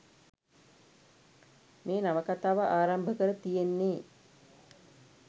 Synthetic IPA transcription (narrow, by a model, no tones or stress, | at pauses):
mʔeːnaʋəkat̪aːʋəʔaːɾambʱəkəɾət̪ijenːeː